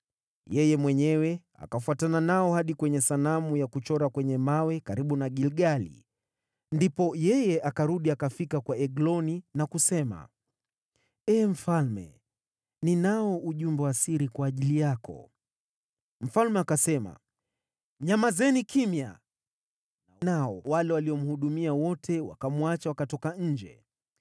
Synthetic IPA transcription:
jɛjɛmwɛɲɛwɛ | a̰kafuatananaɔhaɗikwɛɲɛsanamujakut͡ʃɔɾakwɛɲɛmawɛkaɾiɓunaɠilɠalḭ | ndipɔjɛjɛʔakaɾuɗiakafikakwaɛɡlɔninakusɛma̰ | ɛːm̩falmɛ̰ | ninaɔʔuʄumbɛwasiɾikwaːʄilijakɔ̰ | m̩falmɛakasɛma̰ | ɲamazɛnikimja̰ | nanaɔwalɛwaliɔm̩huɗumiawɔtʰɛwa̰kamuat͡ʃawakatɔkaɲ̩d͡ʒɛ̰

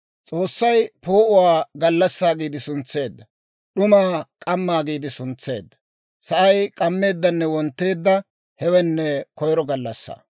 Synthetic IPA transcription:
t͡sʼo̞ːsːɐjpo̞ːʔʊwaːɡɐlːɐsːaːɡiːd̪ɪsʊnt͡sːe̞ːd̪ːɐ | ɗʊmaːkʼɐmːaːɡiːd̪ɪsʊnt͡sːe̞̰ːd̪ːɐ̥ | sɐʔɐjkʼɐmːe̞ːd̪ːɐnːɛwɔnt̪ːe̞ːd̪ːɐ | hɛwɛnːɛkɔjɾɔɡɐlːɐsːa̰ː

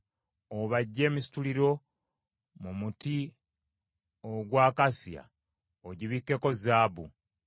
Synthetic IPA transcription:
oβaɟːe̞ːmisi̥tuliɾo̞ | mumuti | oɡwaːkasja̰ | oɟiβikːe̞ko̞zaːβṵ

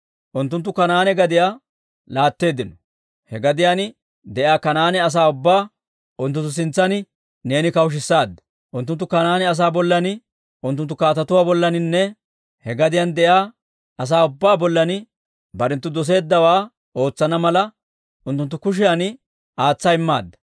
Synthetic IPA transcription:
ʔʊnt̪ːʊnt̪̬ːʊkɐnaːnɛɡɐd̪ɪjaː | laːt̪ːe̞ːd̪ɪnɔ̥ | hɛɡɐd̪ɪjaːnɪ | d̪ɛʔjaːkɐnaːnɛɐs̬aːʊbːaː | ʔʊnt̪ʊnt̪ːʊs̬ɪnt͡sːɐnɪ | ne̞ːnɪkɐwʊʃ̬ɪsːaːd̪ːɐ̥ | ʔʊnt̪ːʊnt̪ːʊkɐnaːnɛɐs̬aːbɔlːɐnɪ | ʔʊnt̪̬ːʊnt̪ːʊkaːt̪ɐt̪ʊwaːbɔlːɐnɪnːɛ | hɛɡɐd̪ɪjand̪ɛjaː | ʔɐs̬aːʊbːaːbɔlːɐnɪ | bɐɾɛnt̪ːʊd̪ɔs̬e̞ːd̪ːɐwaː | o̞ːt͡sːɐnɐmɐlɐ | ʔʊnt̪ːʊnt̪ːʊkʊʃ̬ɪjanɪ | aːt͡sːɐjɪmːa̰ːd̪ːɐ̥

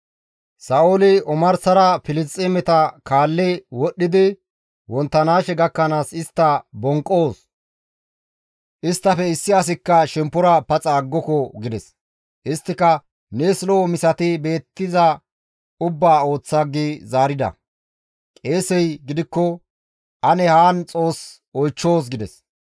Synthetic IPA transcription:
sɐʔolɪɔmɐɾsɐɾɐfɪlɪst͡sʼːemɛt̪ɐkaːlːɛwɔɗːɪd̪ɪ | wɔnt̪ːɐnaːʃɛɡɐkːɐnaːsɪst̪ːɐbɔŋkʼːoːs | ʔɪst̪ːɐfɛɪsːɪɐs̬ɪkːɐʃɛmpːʊɾɐpɐt͡sʼaːɡːɔkɔɡɪd̪ɛs | ɪst̪ːɪkɐ | neslomɪsɐt̪ɪbe̞ːt̪ːɪzɐ | ʊbːaːo̞ːt͡sːaɡːizaːɾɪd̪ɐ̰ | kʼe̞ːsɛjɡɪd̪ɪkːɔ | ʔɐnɛhaːnt͡sʼo̞ːs | ɔjt͡ʃːo̞ːs̬ɡɪd̪ɛs

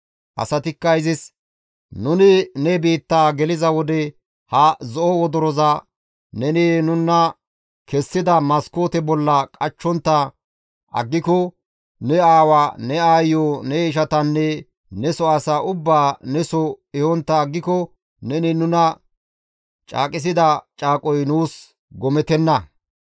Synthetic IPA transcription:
ʔɐ̰sɐt̪ɪkːɐjzɪs | nʊnɪnɛbiːt̪ːaːɡɛlɪzɐwɔd̪ɛ | hɐzɔʔɔwɔd̪ɔɾɔzɐ | nɛnɛnʊnːɐ | kɛsːɪd̪ɐmɐskoːt̪ɛbɔlːɐkʼɐt͡ʃːɔnt̪ːɐ | ʔɐ̰ɡːɪkɔ | nɛaːwanɛaːjɔnɛʃ̬ɐt̪ɐnːɛ | nɛsɔɐsaʔʊbːaːnɛsɔɛhɔnt̪ːɐːɡːɪkɔ | nɛnɪnʊnɐ | t͡ʃʼa̰ːkʼɪs̬ɪd̪ɐt͡ʃʼaːkʼɔjnuːs | ɡɔmɛt̪ɛnːɐ

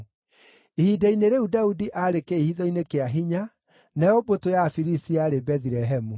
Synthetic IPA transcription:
ihidaineɾeudaudiʔaɾekeihiðɔinekeaɦiɲa | najɔbotojafiɾisiaɾebɛðiɾɛɦɛmu

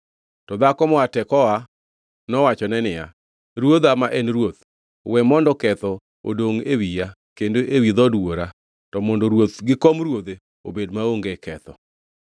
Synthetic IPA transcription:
tɔd̪akɔmɔatɛkɔa | nɔwat͡ʃɔnɛnɪja̰ | ɾwod̪amaʔɛnɾwot̪̚ | wɛmɔndɔkɛt̪ɔ | o̰doŋewija | kendoʔewid̪ɔdwoɾa | tɔmondoɾwot̪ɡɪkɔmɾwod̪e | o̰bedmaoŋɡekʰɛt̪ɔ

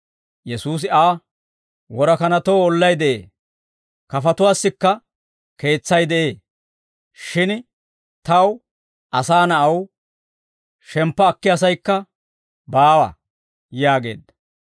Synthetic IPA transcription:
jɛsuːs̬ɪaː | wɔɾɐkɐnɐt̪oːɔlːɐjd̪ɛʔḛː | kɐfɐt̪ʊwaːsːɪkːɐ | ke̞ːt͡sːɐjd̪ɛʔeː | ʃɪn | t̪ɐw | ʔɐsaːnɐʔɐw | ʃɛmpːɐːkːɪɐs̬ɐjkːɐ | baːwɐ̰ | jaːɡe̞̰ːd̪ɐ

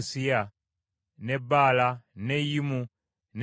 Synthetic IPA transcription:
sia | nɛbalanɛjimu | n

